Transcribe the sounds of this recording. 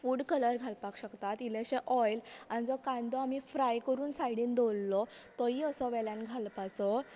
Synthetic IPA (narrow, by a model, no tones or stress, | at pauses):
fuːɽkələɾɡʱalpakɕəkt̪at̪ileɕeʔɔjlanid͡zɔkãnd̪ɔamiːfɾajkəɾuːnsajɽiːnd̪olːɔ | t̪ɔɦiːəsɔʋɛljãnɡʱalpat͡sɔ